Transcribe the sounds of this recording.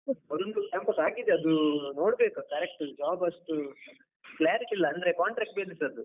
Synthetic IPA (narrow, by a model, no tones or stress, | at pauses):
ɐd̪uɳɖuempɐʈaːɡid̪eɐd̪uno̞ːɽbeːkukɐɾek̚ʈud͡ʒaːbɐʂʈu | klaːɾiʈilːɐɐnd̪ɐɾe̞kaːɳʈɾaːk̚ʈ̚belisɐd̪u